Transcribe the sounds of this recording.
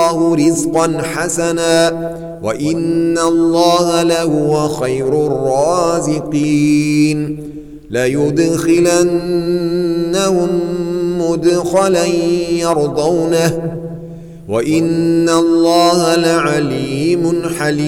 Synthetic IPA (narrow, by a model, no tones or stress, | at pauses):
hʊɾɪzqɑnħasanaː | waʔɪnːalːɑːhalahʊwaxajɾʊrːɑːzɪqiːn | lajʊd̪xɪlanː | ahʊmːʊd̪xalanjɑɾˤd̪ˤawnah | waʔɪnːalːɑːhalaʕaliːmʊnħalː